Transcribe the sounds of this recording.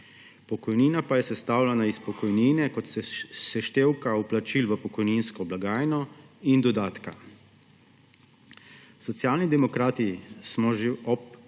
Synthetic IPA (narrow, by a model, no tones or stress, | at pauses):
pɔkɔjniːnapajɛsɛst̪awlɛnaispɔkɔjniːnɛkɔt̪sɛsɛʃt̪eːwkauplat͡ʃilʋəpɔkɔjninskɔblaɡaːjnɔ | ind̪ɔd̪aːt̪ka | sɔt̪sjaːlnid̪ɛmɔkɾaːt̪ismɔʒeɔp